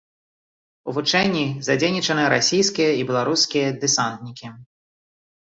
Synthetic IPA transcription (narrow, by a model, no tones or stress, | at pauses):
uvut͡ʂɛnʲːizad͡zʲejnʲit͡ʂɐnɨɾasʲijskʲijɐibʲɛlˠaɾuskʲijɐd̪ɨsant̪nʲikʲi